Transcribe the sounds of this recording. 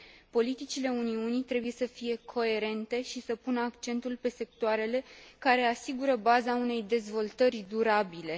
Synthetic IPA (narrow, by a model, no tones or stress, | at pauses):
po̞lit̪it͡ʃile̞uniunijt̪ɾe̞buje̞səfije̞kʰo̞e̞ɾe̞nt̪e̞ʃisəpunəakt͡ʃe̞nt̪ulpe̞se̞k̚t̪oaɾe̞le̞kaɾe̞asiɡuɾəbazaune̞jd̪e̞zvo̞lt̪ərʲd̪uɾabile̞